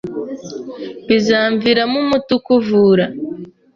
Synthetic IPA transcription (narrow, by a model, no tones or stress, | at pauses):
βizaːɱviɾamumutukuvuːɾa